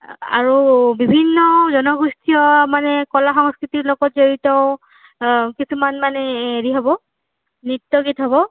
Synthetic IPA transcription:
a̰ɹubibʱinːɔzɔnɔɡustʰijɔmanɛkɔlaxɔŋskɹitiɹlɔɡɔt̚zoɹitɔʊ | kisumanmanɛeɹiɦobɔ | nitːɔɡitɦɔβɔ

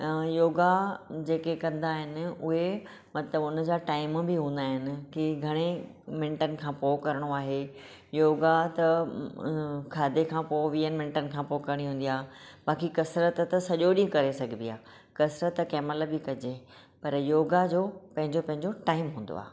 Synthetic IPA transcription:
joːɡad͡ʑeːkekɐ̃nd̪aːɦɪnɪ̆ʊɦe | mɐt̪ləbʊnəd͡ʑaːʈaːɪmbɪɦũːn̆d̪aːɦɪnɪ̆kiɡʱɐɽ̃e | mɪ̃ɳʈənɪ̆kʰãːpoːkɐɾəɽ̃oaːɦe | joːɡat̪ɐ | kʰaːd̪ekʰãːpoːʋiːənmɪ̃ɳʈənɪ̆kʰãːpoːkɐɾəɽ̃iɦũːnd̪ijaːɓaːkikɐsɾət̪t̪ɐsɐʄoɗĩkɐɾesɐɡʱɪ̃nijaː | kɐsɾət̪kɛːməlbɪkɐd͡ʑe | pɐɾjoːɡad͡ʑoːpɐ̃ɦɪ̃ɲd͡ʑopɐ̃ɦɪ̃ɲd͡ʑoʈaːɪmɦũːnd̪o̰a̰ːɦ

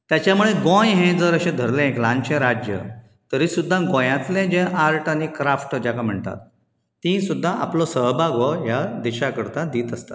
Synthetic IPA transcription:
t̪jat͡ɕjamuɭeɡõjɦẽd͡zəɾəɕẽd̪ʱəɾlẽeklãɲt͡ɕẽɾad͡ʑjə̰ | t̪əɾiːsud̪ʱːãɡõjãt̪lẽd͡ʑẽʔaɾʈanikɾafʈd͡ʑakam̤əɳt̪a̰t̪̚ː | ĩsud̪ʱːãʔa̰plɔsəɦbaɡɔjad̪iɕakəɾt̪ad̪iːt̪əst̪a̰

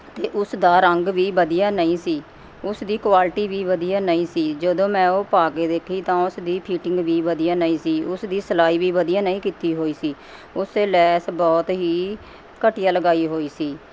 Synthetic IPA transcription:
t̪eːʔʊsd̪aːɾəŋɡʋiːʋəd̪ijãːnəĩːsiː | ʊsd̪iːkwaːlʈiːʋiːʋəd̪ijaːnəĩːsiːd͡ʒəd̪õːmɛ̃ːoːpaːkeːd̪eːkʰiːt̪ãːʊsd̪iːpʰiːʈɪ̃ŋɡʋiːʋəd̪ijãːnəĩːsiːʊsd̪iːsəlaːiːʋiːʋəd̪ijãːnəĩːkiːt̪iːɦoːiːsiː | ʊseːlɛːsbɔːt̪ɦiː | kəʈijaːləɡaːiːɦoːiːsiː

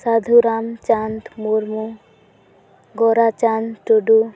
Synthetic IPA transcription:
sad̪ʱuɾamt͡ʃant̪muɾmu | ɡɔɾat͡ʃanʈuɖu

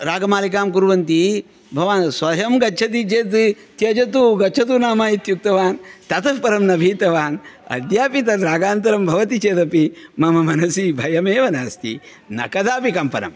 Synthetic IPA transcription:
ɾaːɡɐmaːlikaːmkuɾʋɐnt̪i | bʱɐʋaːnsʋɐjɐmɡɐtːt͡ʃʰɐt̪it͡ʃeːt̪ | t̪jɐd͡ʒɐt̪uɡɐt͡ʃʰɐt̪̬unaːmaːjit̪juk̚t̪ɐʋaːnt̪ɐt̪ɐpɐɾɐmnɐbʱiːt̪ɐʋaːnɐ̰d̪jaːpit̪ɐɾɾaːɡaːnt̪ɐɾɐmbʱɐʋɐt̪it͡ʃeːd̪ɐpimɐmɐmɐnɐsibʱɐjɐmeːʋɐnaːst̪ḭ | nɐ̰kɐd̪aːpikɐmpɐɾɐ̰m

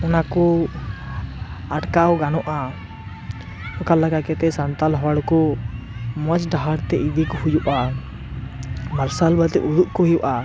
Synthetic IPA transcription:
ɔnakɔ | aʈkawɡanɔʔa | ɔkalakakɛt̪ɛsant̪alɦɔwaɽkɔ | mət͡ʃɖaɦaɽt̪ɛʔid̪ikhujuʔa | məɾsalbət̪ɛʔud̪uʔkɔɦijuʔa

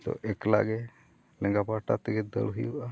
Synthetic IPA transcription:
t̪ɔ̰ʔɛkla̰ɡɛ | lɛŋɡapaɾʈat̪ɛɡɛd̪ə̰ɭɦujuʔa

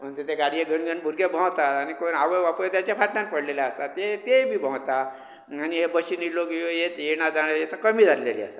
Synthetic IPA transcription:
m̤ənt̪et̪ʰeɡaɽijeɡʱənɡʱənbʱuɾɡebʱə̃wt̪at̪anikonaʋəjʋapujet̪jat͡ɕjapaʈnãnpəɽleljaəst̪at̪et̪ebʱiːbʱə̃wt̪a | aniɦebəɕiniloɡijojet̪jeɽ̃ad͡zaɽajet̪akəmiːd͡zʱallelḭa̰sə

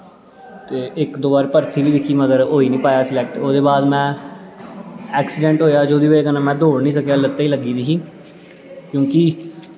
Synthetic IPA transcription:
t̪eːɪkd̪oːbaːɾpəɾt̪ʰiːʋiːd̪ɪkʰːiːməɡəɾoːiːnĩːpaːjaːsɪlɛːk̚ʈoːd̪eːbaːd̪mɛ̃ː | ɛːksɪɖɛ̃ːɳʈɦoːjaːd͡ʒoːd̪iːʋəeːkənãːmɛ̃ːd̪oːɽnĩːsəkeaːlət̪ːaːiːləɡːiːd̪iːɦiː | kjõːkɪ

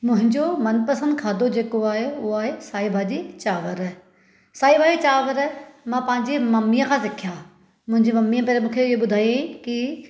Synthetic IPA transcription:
mʊ̃ɦɪ̃ɲd͡ʑomɐnpɐsə̃nd̪kʰaːd̪ʱod͡ʑeːkoaːɦeʊaːɦesaːibʱaːd͡ʑit͡ɕaːʋəɾ | saːibʱaːd͡ʑit͡ɕaːʋəɾmãpɐ̃ɦɪ̃ɲd͡ʑemɐmːijə̃kʰãːsɪkʰjaː | mʊ̃ɦɪ̃ɲd͡ʑemɐmːijãpeːɾemũːkʰeɪɦoɓʊd̪ʱaːiki

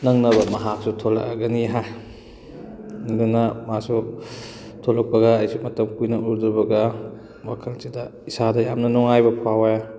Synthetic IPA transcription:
nɐŋnɐbɐmɐɦak̚sutʰolɐ̰kɐ̰ɡɐniɦaj | dunɐmasu | tʰolɐk̚pɐɡɐːjsumɐtɐmkujnɐuɾduɾbɐɡɐ | makʰɐlsidɐisadɐjamnɐnɔŋajbɐpʰawaja

